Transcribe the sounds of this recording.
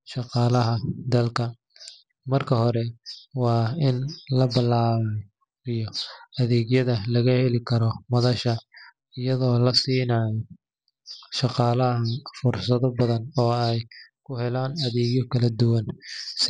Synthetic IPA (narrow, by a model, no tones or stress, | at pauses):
ʃɑqɑːlɐɦɐd̪ɐlkʰɐ | mɐrkʰɐɦɔɾɛwɑːɪnlɐbɪlaːmɔ | ijɔɐðɛːɣjɐðɐlɐɣɐhɛlɪkʰɐɾɔmɐðɐʃɐ | ɪjɐðɔːlɐsiːnaːj | ʃɑqɑːlɐɦɐfʊrsɐðɔbɐðɐnɔːɛjkʰʊhɛlaːnɐðɛːɡjɔkʰɐlɐd̪ʊwɐns